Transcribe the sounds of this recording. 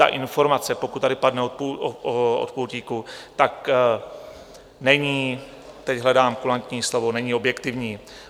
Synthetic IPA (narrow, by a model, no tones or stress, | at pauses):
t̪a̰ʔɪnfo̞ɾmat͡sɛpokut̪t̪ːadɪpadnɛot̪puoo̰t̪powciːkut̪ak | nɛɲiː | t̪ɛcɦlɛdaːmkulant̪ɲiːslo̞vo̞nɛɲiːo̞bjɛkt̪ɪvɲiː